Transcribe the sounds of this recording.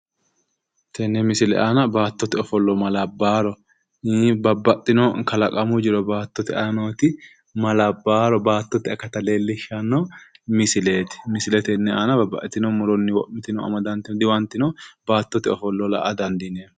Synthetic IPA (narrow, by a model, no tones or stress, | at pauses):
t̪ʰɛnːɛmɪsɪlɛ̰ʔaːnɐbaːt̪ːɔt̪ɪɔfɔlːɔmɐlɐbːaːɾɔ | bɐbːɐt̪ʼːɪnoːkɐlɐkʼɐmʊd͡ʒɪɾɔbaːt̪ːɔt̪ɪɐnoːt̪ɪ | mɐlɐbːaːɾɔbaːt̪ːɔt̪ɪɐkːɐt̪ɐleːlːɪʃɐnːomɪsɪleːt̪ɪ̥mɪsɪlɛt̪ɛnːɛaːnɐbɐbːɐ̰ʔt̪ːɪnoːmʊɾɔnːɪwɔʔmɪt̪ɪnɔɐ̰mɐd̪ɐnt̪ɪnd̪ɪwɐnt̪ːɪnoːbaːt̪ːɔt̪ɪɔfɔlːɔla̰ʔɐd̪ɐnd̪ɪneː